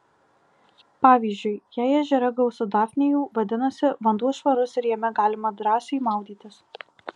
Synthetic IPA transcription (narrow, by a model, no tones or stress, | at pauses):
pɑːʋʲiːzʲd͡ʒʲʊɪjæːɛʒʲɛɾɐɡɐʊsʊd̪ɑːfʲnʲejuːʋɐd̪ʲɪnɐsʲɪʋɐnd̪uɔʃʋɐɾʊsɪɾjɛmʲɛɡɑːlʲɪmɐd̪ɾɑːsʲɛimɑˑʊd̪ʲiːt̪ʲɪs